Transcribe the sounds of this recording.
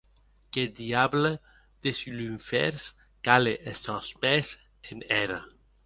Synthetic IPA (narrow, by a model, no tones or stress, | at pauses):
ked̪iable | d̪̥esylyɱfɛ̰ɾs | kaleʔesɔspɛs | enɛɾa